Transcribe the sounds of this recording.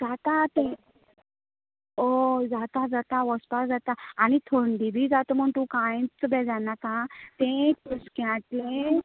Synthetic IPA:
d͡zat̪at̪ẽ | od͡zat̪ad͡zat̪aʋəspasd͡zat̪aːñit̪ʰoɳɖibʱid͡zat̪əm̤əɳt̪ũkãjt͡səbɛd͡zanakãt̪ẽkuskãʈle

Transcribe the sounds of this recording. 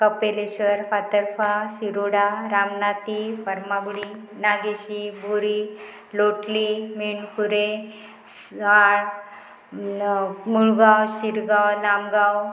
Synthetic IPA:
kəpeleɕəɾfat̪əɾfaɕiɾoɽaɾamnat̪ipəɾmabɽi | naɡeɕibʱuɾi | loʈlimiɳkʰuɾe | s | aɽ | muɭɡawɕiɾɡawlamɡaw

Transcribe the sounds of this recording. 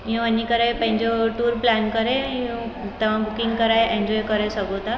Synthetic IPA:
ɦĩanːikəɾajpə̃ɦĩɲd͡ʑɔʈuːɾplankəɾeɦũ | t̪ɛʋ̤ãbukiŋɡkəɾajẽɲd͡ʑɔjkəɾesəɡot̪a

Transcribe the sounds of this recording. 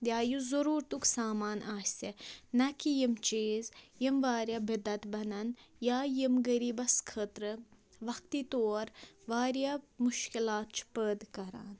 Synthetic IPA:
d̪ʲjaːjuzɐɾuːɾt̪uksaːmaːnʔaːsʲt̪enɐkijimt͡ʃiːzjimʋaːɾjabɐd̪ɐt̪bɐnɐnjaːjimɡɐɾiːbɐskʰət̪ɾɨ | ʋɐk̚t̪it̪oːɾʋaːɾjamuʃkilaːt̪̚t͡ʃʰpəːd̪kɐɾa̰ːn

